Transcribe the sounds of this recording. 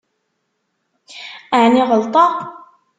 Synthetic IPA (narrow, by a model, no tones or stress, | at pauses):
aʕniʁəlt̪ˤɑ